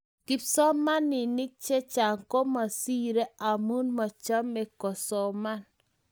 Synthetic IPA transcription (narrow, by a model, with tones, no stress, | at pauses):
ki˨psɔ˦ma˦nːɪ˨ni˦k̚t͡ʃe˦t͡ʃa˨ŋko˦ma˨si˦ɾe˦a˨mu˦nma˨t͡ʃa˦me˨kɔ˨sɔ˨ma˦n